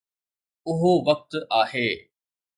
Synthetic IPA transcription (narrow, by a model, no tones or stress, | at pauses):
ʊɦoʋɐk̚t̪aːɦeː